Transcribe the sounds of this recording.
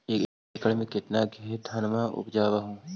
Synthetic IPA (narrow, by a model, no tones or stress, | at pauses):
eːk | kəɭmẽkɪt̪naɡʱiːt̪ɐnmaʊ̰pd͡ʒaːʋaɦũː